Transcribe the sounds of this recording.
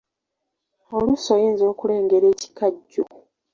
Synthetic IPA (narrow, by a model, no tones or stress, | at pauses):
o̞lusojeːnzo̞ːkule̞ːŋɡe̞ɾe̞ːci̥kaɟːuku